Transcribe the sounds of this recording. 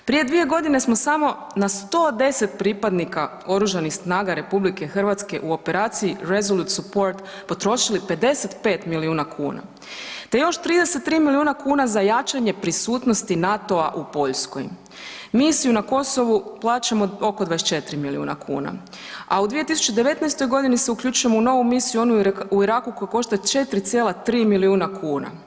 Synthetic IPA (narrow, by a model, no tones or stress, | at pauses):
pɾije̞d̪ʋije̞ɡo̞d̪ine̞smo̞samo̞ | nast̪o̞ːd̪e̞se̞t̪pɾipad̪nika | o̞ɾuʒanixsnaːɡaɾe̞publike̞xr̩ʋat̪ske̞̰ʔuo̞pe̞ɾaːt̪siiɾe̞zoluːt̪supo̞ɾt̪ | po̞t̪ɾo̞ʃilipe̞d̪e̞se̞t̪pe̞ːt̪miliuːnakʰuːna̰ | t̪e̞jo̞ʃt̪ɾiːd̪e̞set̪ːɾiːmiliuːnakuːnazajat͡ʃaɲe̞pɾisuːt̪no̞st̪inat̪o̞aʔupo̞ʎsko̰j | misijunako̞so̞ʋuplˠaːt͡ɕamo̞o̞kod̪ʋadest͡ʃe̞t̪ɾimiliṵːna̰kʰṵːna̰ | aud̪ʋije̞t̪isu̥t͡ʃed̪e̞ʋe̞t̪najst̪o̞jɡo̞d̪iniseukʎut͡ʃuje̞mouno̞ʋumisijuo̞nuuiɾaːkukojako̞ʃt̪at͡ʃe̞t̪ɾit̪sʲjelˠat̪ɾiːmiliuːnakʰuːna̰